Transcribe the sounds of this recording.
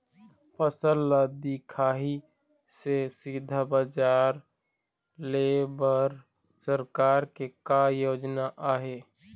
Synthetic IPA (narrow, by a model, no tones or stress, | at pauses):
pəsəlːad̪ikʰaːɦi | sesid̪ʱabəd͡ʒaːɾ | lebəɾ | səɾkaːɾkekajoːd͡ʒnaʔaːɦeː